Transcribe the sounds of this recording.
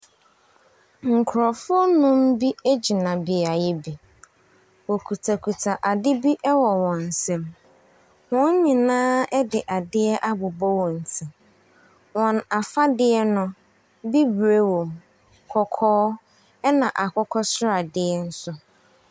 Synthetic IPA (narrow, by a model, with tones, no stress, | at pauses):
ŋ̩˨kʰʊ˨ɾɔ˨fʊ˦ɔ˦nʊ̃˦m̩˦bi˦e˦d͡ʑi˨nã˨bɪ˨a˨jɛ˦bi˨ | wɔ˨kʰu˨tʰa˨kʰu˨tʰa˨ʔa˨dɪ˦bi˦ʔɛ˦wɔ˨wɔ̃˨n̩˨sɛ̃˦m | wɔ̃˦n˦ɲĩ˨nãː˦ɛ˦dɪ˨ʔa˨dɪ˦ɛ˦ʔa˦bʊ˨bɔ˦wɔ̃˨n̩˨tʰi˨ | wɔ̃˨na˨fa˦dɪ˦ɛ˦nʊ̃˨ | bi˦bɾe˦wõ˨m | kʰɔ˨kʰɔː˦ | ɛ˦nã˨ʔa˨kʰɔ˦kʰɔ˦sʊ˦ɾa˨dɪ˦ɛ˦n̩˦sʊ˦